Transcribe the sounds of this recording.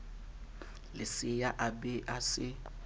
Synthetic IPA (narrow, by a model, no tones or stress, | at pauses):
lɪsɪjaʔabɛʔasɪ